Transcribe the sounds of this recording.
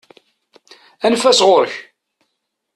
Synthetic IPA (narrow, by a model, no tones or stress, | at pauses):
ænfæsʁoɾəç